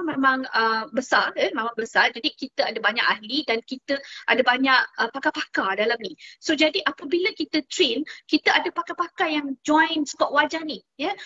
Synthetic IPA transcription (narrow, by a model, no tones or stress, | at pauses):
memãŋəbəsarjəmemãŋbəsard͡ʒadikit̪əadabaɲa̰ʔahlidankit̪əʔadabaɲaʔəpakapakadalamnisod͡ʒadiʔapəbiləkit̪ət̪ɾenkit̪əadapakapakajaŋd͡ʒɔ̃jnt͡ʃu̥kaʔwad͡ʒanijə